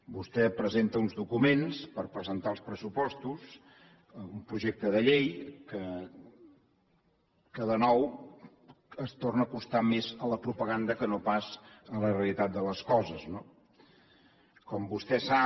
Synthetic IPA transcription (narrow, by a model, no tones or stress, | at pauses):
bust̪ɛpɾəzent̪əunzðukumenspəɾpɾəzənt̪alˠspɾəsupɔst̪us | əumpɾuʒek̚t̪əðəʎejkə | kəðənɔw | əst̪ornəːkust̪amezələpɾupəɣand̪əkənopazələreəlit̪at̪̚d̪ələskɔzəzno | kɔmbust̪ɛsa